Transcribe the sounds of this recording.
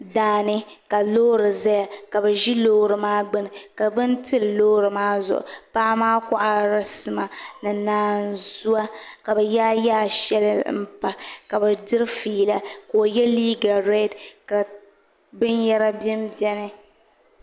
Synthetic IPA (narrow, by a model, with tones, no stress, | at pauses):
daː˨nɨ˦ka˨loː˦ɾɨ˨za˦ja˨ka˨bɨ˨ʒi˦loː˦ɾɨ˨maː˦ɡ͡bɨ˦nɨ˨ka˨bɨ˦ntɨ˦lloː˦ɾɨ˨maː˦zʊ̰˨ʔʊ̰˨paː˦maː˦kʊ˨ʔa˨ɾa˨sɨ˨ma˨nɨ˨naː˨n˨zu˦a˦ka˨bɛ˨ja˦jaː˦˨ʃɛ˦lɨ˦m̩˦˨pa˨ka˨bɨ˨dɨ˦ɾfiː˨˦˨la˨ko˨jɛ˦liː˦ɡa˨ɾɛ˦˨dka˨ | bɨ˦njɛ˦ɾa˦bɛ˦mbjɛ˦nɨ˦